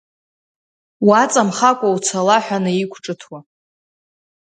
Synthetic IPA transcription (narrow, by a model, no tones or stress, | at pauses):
wat͡sʼamχakʷʼawt͡sʰalaħʷᶣanɨikʷʰʈ͡ʂʼɨtʰwa